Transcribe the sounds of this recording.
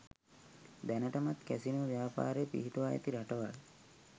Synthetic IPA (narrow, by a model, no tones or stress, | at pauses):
d̪ænəʈamat̪kɛsinuʋjaːpa̰ːɾepḭɦiʈoʋajə̰t̪iɾaʈoʋal